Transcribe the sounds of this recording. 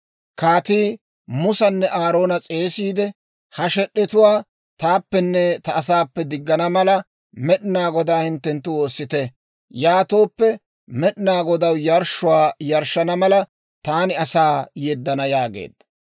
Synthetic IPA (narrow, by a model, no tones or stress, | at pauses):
kaːt̪iː | mʊsɐnːɛʔaːɾo̞ːnɐt͡sʼe̞ːsiːd̪ɛ | hɐʃɛɗːɛt̪ʊwaː | t̪aːpːɛnːɛt̪ɐːsaːpːɛd̪ɪɡːɐnɐmɐlɐ | mɛɗɪnaːɡɔd̪aːhɪnt̪ːɛnt̪ːʊwo̞ːsːɪt̪ɛ | jaːt̪o̞ːpːɛ | mɛɗɪnaːɡɔd̪ɐwjɐɾʃːʊwaːjɐɾʃːɐnɐmɐlɐ | t̪aːnɪɐsaːjɛd̪ːɐnɐjaːɡḛːd̪ːɐ̥